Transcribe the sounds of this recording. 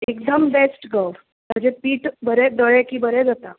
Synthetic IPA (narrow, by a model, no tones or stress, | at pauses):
ekd̪əmbesʈɡə | məd͡ʒepiːʈbəɾed̪əɽekibəɾed͡zət̪a